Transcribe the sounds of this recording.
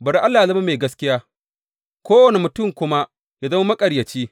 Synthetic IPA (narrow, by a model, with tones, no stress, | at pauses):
bɐ˨ɾi˦ʔa˦lːaː˨zɐ˦ma˦meː˨ɡɐ˦skʲɪ˦jaː˦ | kʷoː˦wɐ˨ne˨mʊ˨tʊ˦˨mkʷʊ˦ma˦ | ja˦zɐ˦ma˦mɐ˦kʼɐ˨ɽjɐ˨t͡ʃiː˦